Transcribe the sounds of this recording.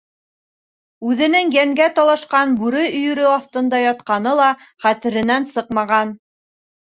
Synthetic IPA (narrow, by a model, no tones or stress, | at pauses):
ʉðɘ̆nɘŋjæŋɡæt̪ɒlˠɑʃqɑnbʉɾɵɵ̆jɵ̆ɾɵɑθt̪ɤ̆nd̪ɑjɒt̪qɑnɤlˠɑ | χæt̪ɘ̆ɾɘ̆nænsɤqmɑʁɑn